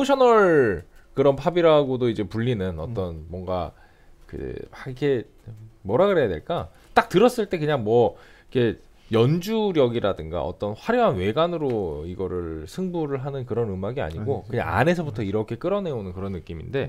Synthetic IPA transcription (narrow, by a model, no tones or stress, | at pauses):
oɕʰʌnʌɭ | kɯɾʌnpʰabiɾaɡodoid͡ʑe̞puʎːinɯnʌt͈ʌnmwʌŋɡa̰ | kɯ̰aikʰe̞ | mwʌɾaɡɯɾɦejadwe̞̰ɭk͈a | t͈ak̚tɯɾʌs͈ɯɭt͈e̞kɯɲaŋmwʌikʰe̞ | jʌnd͡ʑuɾjʌɡiɾadɯŋɡa̰ʌ̰t͈ʌnɸwaɾjʌɦanwe̞ɡanɯɾoiɡʌɾɯɭsʰɯŋbuɾɯɭɦanɯnkɯɾʌnɯmaɡia̰ɲiɡokɯɲa̰ŋa̰ne̞sʰʌbutʰʌiɾʌkʰe̞k͈ɯɾʌne̞onɯnkɯɾʌnːɯk͈iminde̞